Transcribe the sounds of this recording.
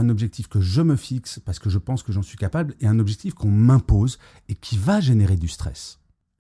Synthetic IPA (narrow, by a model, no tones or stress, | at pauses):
ɛ̃nɔbʒɛk̚t̪ʰifkəʒəməfikspaʁsə̥kəʒəpɑ̃skəʒɑ̃sɥikapablɛɛ̃nɔbʒɛk̚t̪ifkɔ̃mɛ̃poz | ekʲʰivaʒeneʁed̪yst̪χɛ̰s